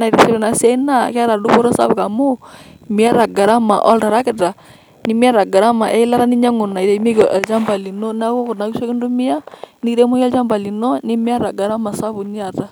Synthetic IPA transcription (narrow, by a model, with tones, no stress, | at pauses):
na˨ɾe˨sɛ˦ɾɛ˨na˨sja˦i˦na˦˨ka˦ɾa˨du˦ko˦ɾɔ˦sa̰˦βka˨mʊ˦ | mi˦a˦ɾa˨ɡa˨ɾa˦ma̰˨ʔɔ̰˦lta˨ɾa˦kɪ˨ta˨ | ni˦mi˦a˦ɾa˨ɡa˨ɾa˦ma˨ʔɛ˦i˦la˦ɾa˦ni˦ɲa˦ŋʊ˨na˨i˨ɾe˨˦mi˦kʔɛ˨lt͡ʃa˦mba˨li˨no˦na˦ko˦kʊ˨na˨˦ku˦ʃa˦kɪ˦ndu˦mɪ˦a˦ni˦ɾe˦mu˦ja˦lt͡ʃa˦mba˨li˨no˦ni˦m˦a˦ɾa˨ɡa˨ɾa˦ma˨sa˦βu˨ni˦a˨ta˨